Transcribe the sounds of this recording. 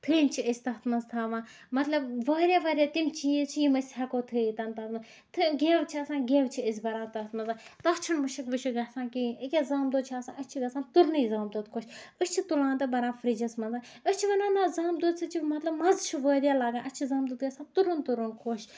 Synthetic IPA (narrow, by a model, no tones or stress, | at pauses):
t̪ʰɨlnt͡ʃʰiəsʲt̪ɐɦt̪ʰmɐnzt̪ʰaːʋãː | mɐt̪lɐbʋəːɾʲjaːʋaːɾʲjaːt̪imt͡ʃijit͡ʃʰijimɐsʲhɛkoːt̪ʰɨit̪ɐnt̪ɐt̪mɐ | t̪ʰɨɡʲeːʋt͡ʃʰiɐːsãːɡeːʋt͡ʃʰiəs̬ʲbɐɾãːt̪ɐɦt̪mɐnzaːt̪ɐst͡ʃʰinmɨʃɐkʋɨʃʰuɡɐsãːnkiikʲezaːmd̪oːd̪̚t͡ʃʰaːsãːʔət͡ʃʰiɡɐsaːnt̪uɾnɨizaːmd̪uːd̪kʰoːʃəst͡ʃʰit̪ulãːnt̪ɐbɐɾaːfɾid͡ʒɐsmɐnzaːəst͡ʃʰiʋɐnaːnaːzaːmd̪uːd̪sʰɨt͡ʃʰimɐt̪lɐbmɐzt͡ʃʰuʋəːɾʲjaːlaːɡãːʔɐt͡ʃʰizaːmd̪uːd̪ɡɐsãːnt̪uɾunt̪uɾunkʰoːʃ